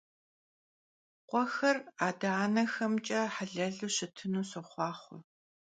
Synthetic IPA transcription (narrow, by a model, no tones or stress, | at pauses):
qʷɔxɐraːdaːnɐxɐmt͡ʃʼɐħaɮɐɮuɕɪtʰɨnuːsɨχʷɑːχʷʊ̰